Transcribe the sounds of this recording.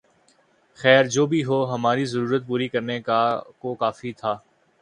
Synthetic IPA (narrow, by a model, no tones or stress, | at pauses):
xɛːɾd͡ʒoːbʱiɦoːɦɐmaːɾizɐɾuːɾət̪̚puːɾikɐɾnekakokaːfit̪ʰaː